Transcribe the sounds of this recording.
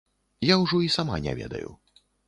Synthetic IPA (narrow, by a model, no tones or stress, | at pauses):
jawʐɔisama̰nʲɛ̰vʲɛ̰d̪ɐ̰jṵ